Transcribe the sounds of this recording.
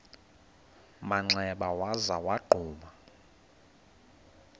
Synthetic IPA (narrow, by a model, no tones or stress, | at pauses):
maŋ͡ǀɛɓawazawaɡ͡ǃʱuːma